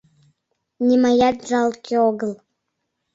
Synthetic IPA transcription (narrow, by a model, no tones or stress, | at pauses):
nʲimɑjɑt̪ʒɑlˠkʲʰeoɣəl